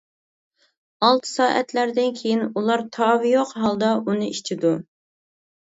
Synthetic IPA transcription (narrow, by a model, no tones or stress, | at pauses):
ɑlˠt̪ʰɨ̥sɑːʔɛt̪læɾd̪ɪnkʲʰejinulˠɑɾt̪ʰɑːvjoqɦɑlˠd̪ɑunɨit͡ʃʰɪd̪u